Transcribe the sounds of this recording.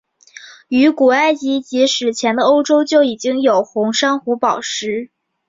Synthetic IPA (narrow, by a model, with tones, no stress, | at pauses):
y˧˥ku˨˩a˥˩ɪt͡ɕi˧˥t͡ɕi˧˥ʂɻ̩˨˩t͡ɕʰjɛ˧˥nd̪ə˧o˥ʊʈ͡ʂo˥ʊt͡ɕjo˥˩ʊi˨˩t͡ɕi˥ŋjo˨˩ʊxʊ˧˥ŋʂa˥ŋxu˧˥pɑ˨˩ʊʂɻ̩˧˥